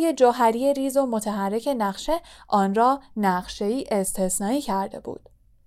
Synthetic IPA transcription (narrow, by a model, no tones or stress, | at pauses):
je̞d͡ʒoɦæɾijeɾiːzo̞mo̞t̪ʰæɦærːe̞cʰe̞næɣʃe̞ʔɒːnɾɒːnæɢʃe̞iːʔe̞st̪ʰesnɒːiːcʰæɾd̪e̞̰b̥ṵːd̪̥